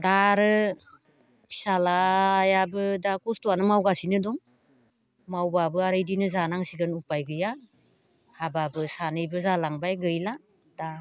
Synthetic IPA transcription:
daɾɯ | salajabɯdakustuanɯmawɡasinɯdɔŋ | mawbabɯaɾɯjdinɯzanaŋsiɡɯnupajɡɯja | hababɯsanɯjbɯzalaŋbajɡɯjla | d̥a

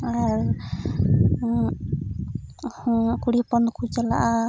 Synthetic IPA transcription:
aɾ | kuɽipɔnkʰud͡ʒala̰ʔa

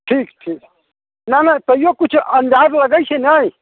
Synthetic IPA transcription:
ʈʰiːkʈʰik | nanat̪ɔjokut͡ʃʰənd̪ad͡ʒləɡəjt͡ʃʰɛnaj

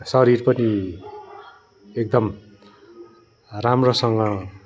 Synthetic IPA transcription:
sʌɾirpʌni | ek̚d̪ʌm | ramrosʌŋɡʌ

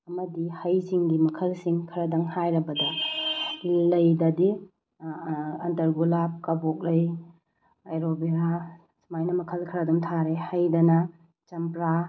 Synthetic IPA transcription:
ɐmɐdihɐjsiŋɡimɐkʰɐlsiŋkʰɐɾɐdɐŋhajɾɐbɐdɐ | lɐjdɐdi | ɐntɐɾɡulap̚kɐbok̚lɐj | ɐjɾobeɾa | smajnɐmɐkʰɐlkʰɐɾɐdɔmtʰaɾehɐjdɐnɐ | t͡ʃɐmpɾa

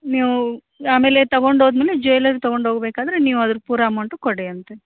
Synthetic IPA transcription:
niːʋu | aːmeːlet̪ɐɡoɳɖɦoːd̪meːled͡ʒojlɐɾɡt̪ɐɡoɳɖɦoːɡɐbeːkaːd̪ɐɾeniːʋuɐd̪ɐɾupuːɾaːmɐɳʈukoɽeɐnt̪e

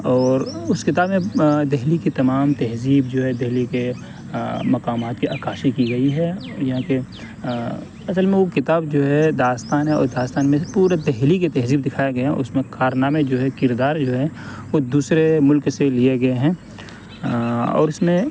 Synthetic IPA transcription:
ɔːɾʊskɪt̪aːbmẽd̪ɛɦlikit̪ɐmaːmt̪ɛɦziːbd͡ʒoːɦɛd̪ɛɦlike | mɐkaːmaːt̪kiʔaːkaːʃikiɡɐiɦɛ | jɐɦãke | ɐsəlmẽʋokɪt̪aːbd͡ʒoːɦɛd̪aːst̪aːnɦɛ̃ɔ̰ːɾd̪aːst̪aːnmẽpuːɾed̪ɛɦliket̪ɛɦziːb̚d̪ɪkʰaːjeɡɐjeɦɛ̃ʔʊsmẽkaːɾnaːmed͡ʒoːɦɛkɪɾd̪aːɾd͡ʒoːɦɛʋod̪uːsɾemʊlkselieɡɐeɦɛ̃ː | ɔ̰ːɾʊsmẽ

